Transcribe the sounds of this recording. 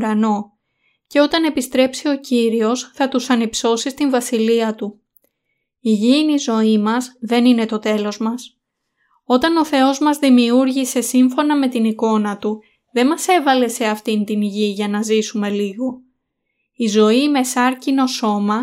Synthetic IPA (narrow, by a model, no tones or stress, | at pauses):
ɾɐno̞ | ce̞o̞t̪ɐne̞pist̪ɾe̞psio̞ciɾio̞sθɐt̪usɐnipso̞sist̪iɱvɐsiliɐt̪u | iʝiinizo̞imɐzðe̞nine̞t̪o̞t̪e̞lo̞zmɐs | o̞t̪ɐno̞θe̞o̞zmɐzðimiuɾʝise̞siɱfo̞nɐme̞t̪iniko̞nɐt̪u | ðe̞nmɐse̞vɐle̞se̞ɐft̪int̪inʝiʝɐnɐzisume̞liɣo̞ | izo̞ime̞sɐɾcino̞so̞mɐ